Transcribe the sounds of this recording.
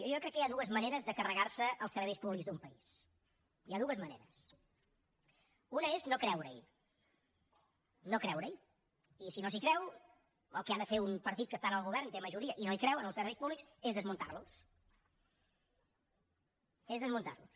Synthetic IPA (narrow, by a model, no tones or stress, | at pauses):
ʒɔkɾɛkːəjaðuəzməneɾəzðəkərəɣarsəəlˠsəɾβɛjspuβlikzðumpəis | iaðuəzmənḛɾəs | unəeznokɾɛwɾə̰j | nokɾɛwɾəj | isinosikɾɛw | ə̰lˠkeand̪əfeumpəɾt̪it̪̚kəst̪anəlˠɣuβ̞ɛrnit̪eməʒuɾiəʔinoikɾɛwənəlˠsəɾβɛjspuβliksezðəzmunt̪a̰rlus | ezðəzmunt̪a̰rlus